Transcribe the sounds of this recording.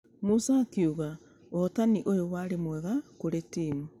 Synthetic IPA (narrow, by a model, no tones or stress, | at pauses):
musakiuɣa | oːtaniʔojowaːɾemwɛɣakoɾetiːmu